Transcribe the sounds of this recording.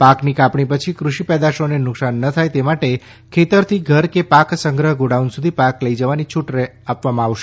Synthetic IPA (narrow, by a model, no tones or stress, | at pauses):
paknikapɳipət͡ʃʰikɾuʃipɛd̪aʃonenʊksanːət̪ʰajt̪emaʈe | kʰet̪əɾt̪ʰiɡʱəɾkepaksəŋɡɾəɦəɡoɽaunsud̪ʱipakləjd͡ʒəʋanit͡ʃʰuʈɾeapʋamãaʋʃe